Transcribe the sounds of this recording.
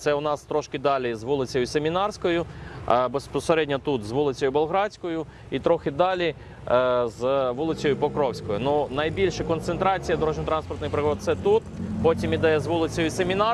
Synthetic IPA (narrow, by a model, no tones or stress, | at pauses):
t̪sɛʊnɑst̪ɾɔʃkɪd̪ɑlʲizʋulˠɪt͡sʲɔjʊsʲemʲinɑrsʲkɔjʊbespɔseɾɛdʲnʲɐt̪ut̪zʋulˠɪt͡sʲɔjʊbelˠɦɾɑsʲkɔjʊ | it̪ɾɔxɪd̪ɑlʲi | zʋulˠɪt͡sʲɔjʊpɔkɾɔwsʲkɔjʊnunɐjbʲilʲʃɛkɔnt̪sent̪ɾɑt͡sʲijɐd̪ɔɾɔʒʲnʲɔt̪ɾɑnspɔrt̪nɪjpɾɪɦɔdt̪t̪sɛt̪ut̪pɔtʲimid̪ɛjɛzʋulˠɪt͡sʲɔjʊsemʲinɑ